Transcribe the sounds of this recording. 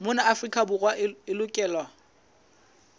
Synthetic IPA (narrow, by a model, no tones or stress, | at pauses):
mʊnaʔafrikʼabʊrwaɪlʊkʼɛːlwa